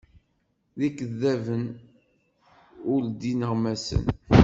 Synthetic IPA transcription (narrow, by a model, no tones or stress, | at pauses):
ðikəðːævən | ʊld̪inəʁmæsə̰n